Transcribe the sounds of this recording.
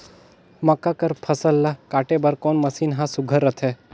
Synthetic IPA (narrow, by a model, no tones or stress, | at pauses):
mɐkːakɐɾpʰɐsəlːakaːʈebɐɾkoːnmɐsiːnɦãsʊɡʱəɾːət̪ʰe